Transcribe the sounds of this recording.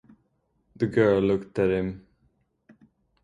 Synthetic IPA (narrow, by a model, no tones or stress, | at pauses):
ðəɡɜːllʊkt̪əɾɪ̃m